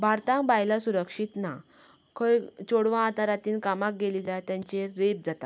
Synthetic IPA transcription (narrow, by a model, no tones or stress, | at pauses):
bʱaɾt̪ãŋbajlasuɾəkʂit̪na | kʰəjt͡ɕoɽʋãːt̪aɾat̪iːnkamak̚ɡelid͡zajt̪jãɲt͡ɕeɾep̚d͡zat̪a̰